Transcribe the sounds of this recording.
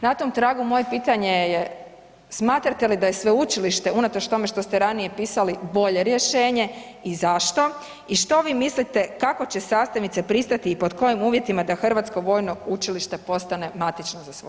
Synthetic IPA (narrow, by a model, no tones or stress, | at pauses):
nat̪omt̪ɾaːɡumo̞jepiːt̪aɲeje | smaːt̪ɾat̪e̞lid̪aje̞sʋe̞ut͡ʃiliʃt̪e̞unat̪o̞t͡ʃt̪o̞me̞ʃt̪o̞st̪eɾanije̞piːsalibo̞ʎe̞ɾje̞ʃe̞ːɲe̞ | izaʃt̪o̞ | iʃt̪o̞ʋiːmislit̪e̞kako̞t͡ɕe̞saːst̪anit̪sepɾist̪at̪iːpo̞d̪ko̞jimuːʋje̞t̪imad̪axr̩ʋat̪sko̞ʋo̞jno̞ut͡ʃiliʃt̪e̞po̞st̪ane̞mat̪it͡ʃnozasʋo